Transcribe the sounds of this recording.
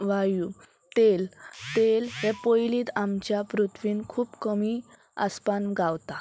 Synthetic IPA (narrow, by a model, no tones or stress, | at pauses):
ʋaju | t̪elt̪elɦɛpojliːt̪amt͡ɕjapɾut̪ʰʋiːnkʰuːpkəmi | a̰spanɡawt̪a